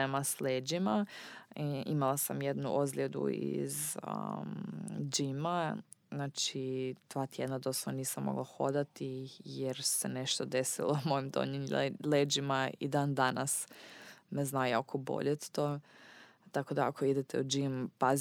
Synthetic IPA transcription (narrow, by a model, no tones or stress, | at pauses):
emasleːd͡ʒima | imalasamjed̪nuʔozlʲed̪ṵḭz̰ | d͡ʒima | znaːt͡ʃit̪ʋaːt̪jed̪nad̪osaniːsamːo̞̰ɡlˠaxo̰d̪at̪ijeɾse̞neʃt̪od̪esḭlˠomo̞imd̪o̰ɲimleːd͡ʒimaḭd̪aːnd̪anas | meznajokʰobo̞̰ʎet̪t̪oː | t̪ako̞d̪aakʰoid̪et̪ʰɛud͡ʒimpaz